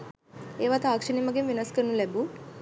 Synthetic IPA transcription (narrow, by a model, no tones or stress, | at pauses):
eːʋat̪aːkʂənimɐɡemʋinɐskəɾnulɛbu